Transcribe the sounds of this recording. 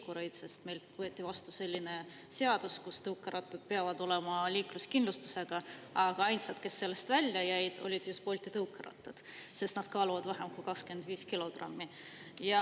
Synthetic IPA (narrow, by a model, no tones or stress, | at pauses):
kːuɾejd̪se̞st̪me̞jlvɤet̪ːˑivɑst̪use̞lʲːine̞ | se̞ɑd̪̥uskust̪ɤwkːˑeɾɑt̪ːˑed̪̥̚peɑvɑd̪o̞le̞mɑliːkluskinlust̪u̥se̞ɡ̥ɑɑɡ̥ɑɑjnsɑd̪̥ke̞sːe̞lːe̞st̪vælʲjɑjæjd̪̥o̞̰lʲid̪̥just̪po̞lʲt̪it̪ɤuwkːˑeɾɑ̰t̪ːˑed̪̥se̞st̪nɑd̪̥kɑːluvɑd̪̥væɦemkujkɑkske̞nd̪̥viːskilo̞ɡ̥rɑ̰mːi | jɑ